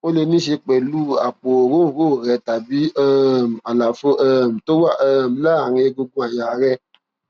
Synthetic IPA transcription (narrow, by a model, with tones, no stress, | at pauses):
o˦le˧nĩ˦ʃe˧k͡pɛ˨lu˦a˨k͡po˨ɾo˦˨ɾo˦˨ɾɛ˧ta˨bi˨˦ɛ˦m̩˨a˨la˨fo˧˦ɛ˦˨m̩˨to˦wa˦˨ʔm̩˨˦la˦˨ɾ̃ĩ˧e˧ɡo˧ɡõ˧˦a˨ja˨˦ɾɛ˦